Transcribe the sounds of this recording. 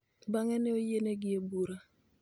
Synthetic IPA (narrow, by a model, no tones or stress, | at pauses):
baŋɛnɛojeneɡɪebuɾa